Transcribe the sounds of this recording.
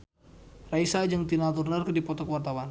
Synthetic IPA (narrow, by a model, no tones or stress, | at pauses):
raisad͡ʒɨŋt̪inat̪̬urnərkədipɔt̪ɔkəwart̪awan